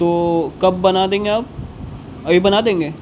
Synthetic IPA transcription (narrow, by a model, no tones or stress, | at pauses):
t̪oːkɐb̚ːɐnad̪ẽːŋɡeaːp̚ | ɐbʱibɐnad̪ẽːŋɡeː